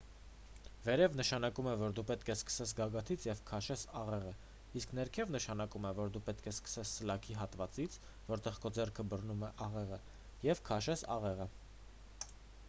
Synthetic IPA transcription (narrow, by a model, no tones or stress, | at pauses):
vɛɾɛvnəʃɑnɑkumɛvɔɾd̪upɛt̪kʰɛskə̥sɛt͡sʰɡɑɡɑt̪ʰit͡sʰjɛvkʰɑʃɛsɑʁɛʁə | isknɛɾkʰɛvnəʃɑnɑkumɛvɔɾd̪upɛt̪̚kʰɛskə̥sɛssəlɑkʰiɦɑt̪vɑt͡sit͡sʰ | vɔɾt̪ɛʁkɔd͡zɛrkʰəbərnumɛʔɑʁɛʁə | jɛvkʰɑʃɛsɑ̰ʁɛʁə